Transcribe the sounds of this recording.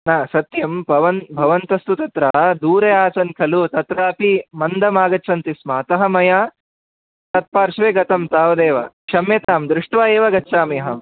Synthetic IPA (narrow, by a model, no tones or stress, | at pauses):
naːsɐt̪jɐmbʱɐʋɐnbʱɐʋɐnt̪ɐst̪ut̪ɐt̪ɾad̪uːɾɐjaːsɐnkʰɐlut̪ɐt̪ɾaːɐpimɐnd̪ʱɐmaːɡɐt͡ʃːt͡ʃʰɐnt̪ismaːt̪ɐɦɐmɐjaː | t̪ɐt̪̚paːɾʃʋeːɡɐt̪ɐmt̪aːʋɐd̪eːʋɐ̰kʂɐmːeːt̪aːmd̪ɾɪʂʈʋaːeːʋɐɡɐt͡ʃːʃʰaːmijɐɦɐm